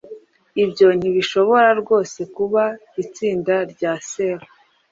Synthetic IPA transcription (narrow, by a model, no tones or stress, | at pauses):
ibjo̞n̥iβiʃo̞βo̞ɾaɾɡo̞ːse̞kuβa | it͡siːndaɾɟaːseɾa